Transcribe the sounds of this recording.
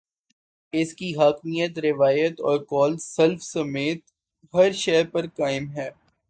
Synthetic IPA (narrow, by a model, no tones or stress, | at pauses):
ɪskiɦaːkmijət̪ɾɪʋaːjət̪ɔ̰ːɾkɔːlsɐlfsɐmeːt̪̚ | ɦɐɾʃɐɦɾpɐɾkaːɪmɦɛː